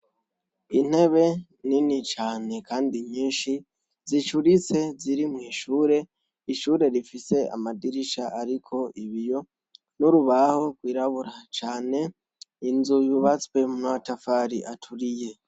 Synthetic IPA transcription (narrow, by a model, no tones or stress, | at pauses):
in̥he̞βe̞ | ninit͡ʃaːne̞kaːndiɲiːnʃi | zit͡ʃuɾit͡se̞ziɾimŋiːʃuːɾe̞ | iʃuːɾe̞ɾifise̞a̰madiɾiʃaʔaɾikʰo̞iβijo̞ | nuɾuβaho̞ɡwiːɾaβuɾat͡ʃaːne̞ | inzujuβat͡swe̞munaatafaɾiʔatʰuɾije̞